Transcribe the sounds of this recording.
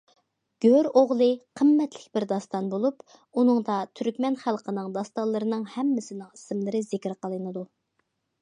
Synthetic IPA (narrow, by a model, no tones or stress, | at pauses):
ɡ̥ʲøɾoʁlˠɨqʰəmːɛt̪lɪ̥kʲbɪɾd̪ɑst̪ɑnbolˠup | unɨŋd̪ɑt̪ʰyɾkʲmɛnχælˠqʰənɨŋd̪ɑst̪ɑlˠɨɾɨnɨŋhɛmːɪsɪnɪŋisɨmlˠɨɾɨzɪkʲɪɾqəlˠɨnɨd̪u